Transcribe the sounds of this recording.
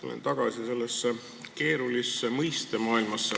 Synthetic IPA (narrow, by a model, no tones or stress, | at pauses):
ulḛnt̪ɑɡ̥ɑsise̞lːesːe | ke̞ːɾulisːemɤjst̪e̞mɑːilmɑsːe